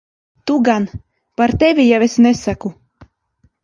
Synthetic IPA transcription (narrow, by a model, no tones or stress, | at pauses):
t̪uɡan | paɾt̪ɛvʲijawesnɛsaku